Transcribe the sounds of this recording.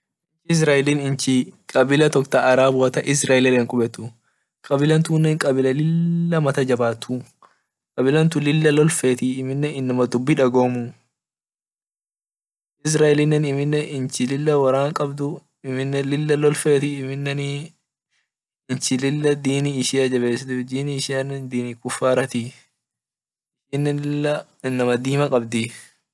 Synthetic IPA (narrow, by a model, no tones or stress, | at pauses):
ɪt͡ʃɪɪs̬ɾaːʔɛlɪnɪnt͡ʃɪkʼɐbɪlɐt̪ɔkt̪ɐʔɐɾaːbʊɐt̪ɐʔɪs̬ɾaːɪlɪleːŋkʼʊbɛt̪ːʊ | kʼɐbɪlɐnt̪uːnːeŋkʼɐbɪlɐlɪlːɐmɐt̪ɐd͡ʒɐbaːt̪ʰːu | kʼɐbɪlɐnt̪ʊlɪlːɐlɔlfeːt̪ɪːmɪnːɛɪnːɐmɐd̪ʊbːɪᶑɐɡoːmʊ | ɪs̬ɾaːʔɛlɪnːɛnɪmɪnːɛʔɪnt͡ʃɪlɪlːɐwɐɾaːŋkʼɐbd̪ʊ | ɪmɪnːɛlɪlːɐlɔlfeːt̪ɪɪmɪnːɛn | ɪnt͡ʃɪlɪlːɐd̪iːniɪʃɪjad͡ʒɐβe̞ːsɪt̪ɪd̪iːniɪʃɪjanːɛnd̪iːnikʊfːaːɾɐt̪ɪ | ʃinːɛnɪlːɐɪnːɐmɐd̪iːmɐkʼɐbd̪ɪ